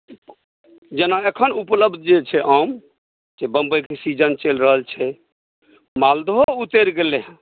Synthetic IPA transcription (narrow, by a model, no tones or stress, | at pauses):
d͡ʒenaekʰənupləbd̪ʱd͡ʒet͡ʃʰɛʔəm | d͡ʒebəmbəjkesid͡ʒənt͡ʃelɾəɦəlt͡ʃʰɛ | mald̪ɦout̪eɾɡeleɦ